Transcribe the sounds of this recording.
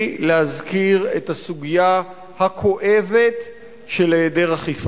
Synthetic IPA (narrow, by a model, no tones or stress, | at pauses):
lehazkiʁethasuɡija | hakʰo̞ʔe̞ve̞t | ʃeleːdeʁaχif